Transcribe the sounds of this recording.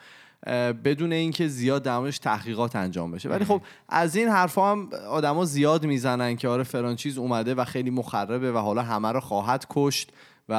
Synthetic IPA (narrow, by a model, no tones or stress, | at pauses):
be̞d̪uːne̞iːncʰe̞zijɒːd̪ːæɾɒmeʃt̪ʰæhɣiːɣɒːt̪ʰænd͡ʒɒ̰ːmbe̞ʃevæ̰lixo̞b̚ | ʔæziːnhæɾfɒːhæmɒːd̪æmɒːzijɒːd̪miːzænænd̪̥cʰeɒːɾefe̞ɾɒːnt͡ʃʰiːzuːmæd̪e̞væxe̞jliːmoxærːebevæɦɒːlɒːɦæmæɾɔxɒːɦæd̪̥kʰoʃt̪ | væ